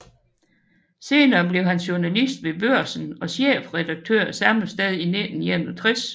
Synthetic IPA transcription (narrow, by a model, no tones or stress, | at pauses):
se̝ːnɐːb̥le̝ʊhænɕuɐnælisd̥ʋe̝bøɐ̰sən̩ɒ̽ɕḛːfʁɛd̥ɑ̈ɡ̥̚t͡sʰøɐ̰sɑ̈ml̩sd̥eð̞ˠiined̥n̩jænut͡sʰʁis